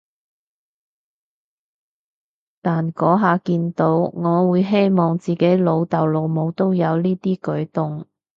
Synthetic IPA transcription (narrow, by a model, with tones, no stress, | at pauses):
t̪aː˨nkɔː˨˥ɦaː˨˧kiː˧nt̪o˨˥wŋɔː˨˧wuː˨˧jɦe˥jmɔː˨ŋt͡siː˨ke˨˥jlo˨˧wt̪ɐ˨wlo˨˧wmo˨˧wt̪o˥wjɐ˨˧wliː˥t̪iː˥kɵ˨˥ɥt̪ʊ˨ŋ